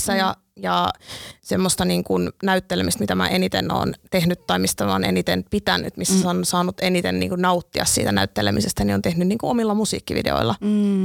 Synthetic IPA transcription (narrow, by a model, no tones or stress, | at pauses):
sːæjɑ | jɑsemːost̪ɑniːŋkunnæyt̪ːelemist̪mit̪æmæ̰ːʔenit̪ḛno̰ːnt̪ehnyt̪ːɑimist̪æmo̰ːnḛnit̪enpit̪æny̰t̪misːæsɑosɑːnut̪enit̪ennḭːŋkunnɑut̪ːiɑssḭːt̪ænæyt̪ːelḛmisest̪æniont̪ehnynniːŋkuomilːɑmusḭːkːiʋḭdḛo̰ilːɑ